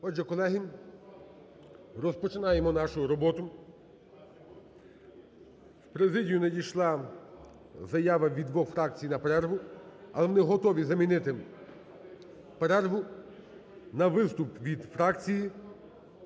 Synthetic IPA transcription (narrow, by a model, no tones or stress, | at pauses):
ɔd͡ʒɛkɔlˠɛɦi | rɔspɔt͡ʃɪnɑjemɔnɑʃʊɾɔbɔt̪ʊ | wpɾezɪdʲijʊnɛd̪ʲijʃlˠɑ | zɐjɑʋɐʋʲid̪ʋɔxfɾɑk̚t͡sʲijnɐpeɾɛrɦʊɐ̰lˠɛʋɔnɪɦɔt̪ɔʋʲizɐmʲinɪt̪ɪ | peɾɛrɦʊ | nɐʋɪst̪ʊpʋʲid̪fɾɑkt͡sʲiji